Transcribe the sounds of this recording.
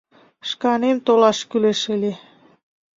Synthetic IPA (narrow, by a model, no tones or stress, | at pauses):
ʃkɑnemt̪olɑʃkyleʃəle